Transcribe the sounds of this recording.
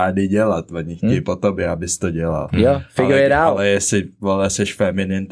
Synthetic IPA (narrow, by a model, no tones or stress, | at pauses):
aːdɪɟɛlat̪voɲɪxɛjpot̪obɛabɪst̪oɟɛla̰ljofɪlɡojɛdaːallɛjɛsɪvolɛsɛʃfɛmɪnɪnt̪